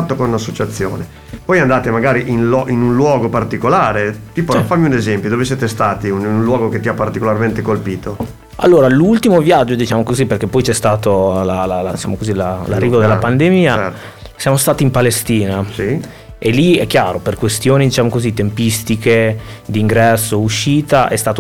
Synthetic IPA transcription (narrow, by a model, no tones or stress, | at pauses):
at̪ːokonunasːot͡ʃat̪sːjo̰ːne | pɔjand̪aːt̪emaɡaːɾiʔinlɔʔinunlwɔːɡopart̪ikolaːɾet̪iːpofamiunezɛmpjod̪oːvesjeːt̪est̪aːt̪iunũnlwɔːɡoket̪ːiapːart̪ikolarment̪ekolpiːt̪o | a̰lːoːɾalult̪imovjad͡ʒːod̪it͡ʃaːmokoziperk̟epːɔjt͡ʃɛst̪aːt̪olalalad̪it͡ʃa̰ːmokozilalarːiːvod̪elːapand̪emiːaɛ | sjaːmost̪aːt̪impalest̪iːnasi | elːiɛkːjaːɾoperkwest̪joːnid̪it͡ʃaːmokozit̪empist̪iked̪iːŋɡɾɛsːouʃːiːt̪aʔɛ̰st̪aːt̪o